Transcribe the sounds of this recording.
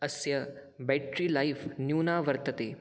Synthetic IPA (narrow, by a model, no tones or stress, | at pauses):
ɐsjɐ | bɛːʈɾiːlajfnjuːnaːʋɐɾt̪ɐt̪eː